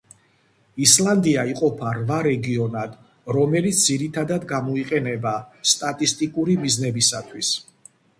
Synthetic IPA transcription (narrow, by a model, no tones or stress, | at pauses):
island̪iaiqʼɔpʰaɾvaɾɛɡiɔnad̪̥ | ɾɔmɛlit̪s̚ʰd̪ziɾit̪ʰad̪ad̪ɡamɔiqʼɛnɛbast̪ʼat̪ʼist̪ʼikʼuɾimiznɛbisat̪ʰwis